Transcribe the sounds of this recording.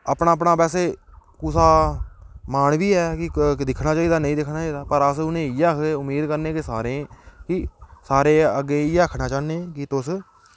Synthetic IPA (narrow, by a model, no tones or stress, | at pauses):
aːpɳaːəp̬ɳaːpɛːseːkuːsaː | maːɳʋiːɛːkɪd̪ɪkʰɽaːt͡ʃaːiːd̪aːnəĩːd̪ɪkʰnaːt͡ʃaːiːd̪aːpəɾəsʊnẽːiːəkʰeːʊmiːd̪kəɾnẽːkɪsaːɾẽːkɪsaːɾeːəɡːeːiːəːkʰnaːt͡ʃaːnẽːkɪt̪ʊs